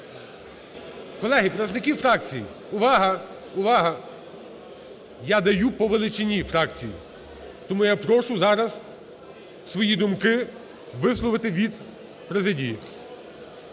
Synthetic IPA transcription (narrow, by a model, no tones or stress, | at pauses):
kɔlˠɛɦipɾɐznɪkʲifɾɑk̚t͡sʲijḭ | ʊʋɑɦɐ | ʊʋɑɦɐ | jad̪ɐjupɔʋelˠɪt͡ʃɪnʲifɾɑkt͡sʲijḭ | t̪ɔmujapɾɔʃʊzɑɾɐz | sʋɔjid̪ʊmkɪ | ʋɪslˠɔʋɪt̪ɪʋʲid̪ | pɾezɪdʲiji